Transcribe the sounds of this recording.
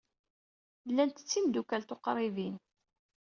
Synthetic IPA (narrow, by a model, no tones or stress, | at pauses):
lːænt̪ə̥t͡sːind̪ukælt̪oqɾˤivin